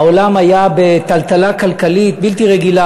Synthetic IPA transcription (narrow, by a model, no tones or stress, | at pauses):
aolamajabe̞t̪alt̪alakalkalit̪̚bilt̪iʁeɡila